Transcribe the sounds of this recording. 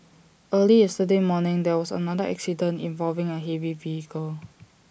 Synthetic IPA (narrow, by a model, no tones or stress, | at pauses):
ʔəliɛstədemɔnɪ̃ŋdɛwɔsə̰nadəʔɛ̰ksidə̃nḭ̃ɱvɔlvɪ̃ŋəɦɛviviikʰəl